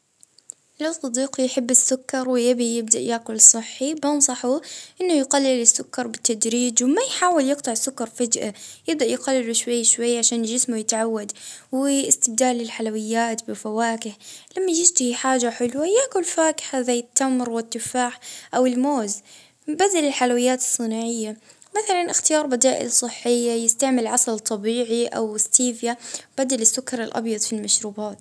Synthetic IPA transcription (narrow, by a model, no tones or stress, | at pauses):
lawsˤɑd̪iːqujħɪbːɪsːʊkːɑɾˤwɪjabijɪb̚d̪a̰ʔjaːkʊlsˤɨħːibɑnsˤɑħuʔɪnːʊjqalːɪlɪsːʊkːɑɾˤbɪt̪ːad̪ɾiːd͡ʒwɪmajħaːwɪljɪqt̪ˤɨʕsːʊkːɑɾˤfad͡ʒʔajɪb̚d̪aʔjqalːɪluʃwajːaʃwajːaʕaʃaːnʒɪsmujɪt̪ʕawːad̪wɪɪst̪ɪbd̪aːlːɪlħalawɪjːaːt̪bɪfawaːkɪħlamːad͡ʒɪd͡ʒt̪ɪhiħaːʒaħɪlwajaʔkʊlfaːkɪ̥ħazajːɪt̪ːamɾwɪt̪ːɪfaːħʔawɪlmoːz | bad̪alɪlħalawɪjːaːt̪ɨ̥sˤːɨnaːʕɪjːa | maθalanʔɪxt̪ɪjɑːɾˤbad̪aːʔɪ̰lsˤɨħːɪjːajɪst̪aʕmɪlʕɑsˤlt̪ˤːɑbiːʕiʔa̰wɪst̪iːfjab̥ad̪alɪsːʊkːɑɾˤɪlʔɑ̰bjɑd̪ˤfilmaʃɾuːbaːt̪